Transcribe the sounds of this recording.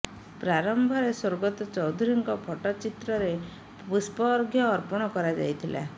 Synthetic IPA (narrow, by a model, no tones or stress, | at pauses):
pɾaɾɔmbʱɔɾeswoɾɡɔt̪ɔt͡ʃɔwd̪ʱuɾiŋkɔbʰʱɔʈɔt͡ʃit̪ɾɔɾe | bispɔːɾɡʱjɔːɾpɔɽ̃ɔkɔɾad͡ʒa̰jt̪ʰilʔa̰